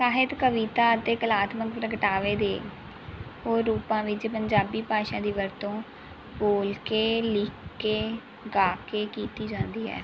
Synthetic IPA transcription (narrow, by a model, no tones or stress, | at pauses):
saːɦɪt̪kəʋiːt̪aːət̪eːkəlaːt̪məkpɾəkəʈaːʋeːd̪eː | ɦoːɾːuːpãːʋɪt͡ʃpəɲd͡ʒaːbiːpaːʃãːd̪iːʋəɾt̪õː | boːlkeːlɪːkːeː | ɡaːkeːkiːt̪iːd͡ʒãːnd̪iːɦɛ̰ː